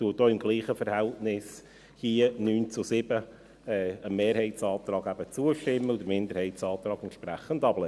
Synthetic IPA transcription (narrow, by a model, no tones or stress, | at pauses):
tuəd̥oːɪmɡliːχəfəɾhɛltnɪs | hiənyːnt͡sʊsɪbə | ɛəmeːɾhɛɪtsɑːt̪rɑːɡæb̥ət͡suəʃtɪmːəʊd̪əɾmɪnd̪əɾhɛɪtsɑːt̪ɾɑːɡɛnt̪ʃpræχənd̪ɑb̥lɛ